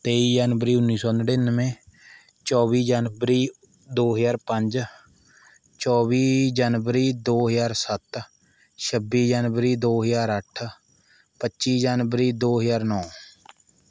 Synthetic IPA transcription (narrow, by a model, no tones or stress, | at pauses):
t̪eːiːd͡ʒaːnʋəɾiːʊnːiːsɔːnəɽeːnəmẽː | t͡ʃɔːbiːd͡ʒaːnbɾiː | d̪oːɦəzaːɾpəɲd͡ʒ | t͡ʃɔːβiːd͡ʒaːnʋəɾiːd̪oːɦəjaːɾsət̪ | ʃəbiːd͡ʒaːnʋɾiːd̪oːɦəzaːɾəʈʰ | pətːʃiːd͡ʒaːnʋɾiːd̪oːɦəjaːɾnɔː